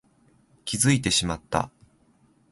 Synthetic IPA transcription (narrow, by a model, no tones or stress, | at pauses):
kʲizɨit̪e̞ɕimat̪ːa̰